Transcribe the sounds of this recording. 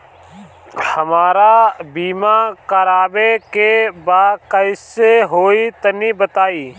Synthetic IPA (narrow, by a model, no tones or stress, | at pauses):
həmaːɾaːbiːmãːkəɾaːbeːkeːbaːkəɪseːɦoːiːt̪əniːbət̪aːiː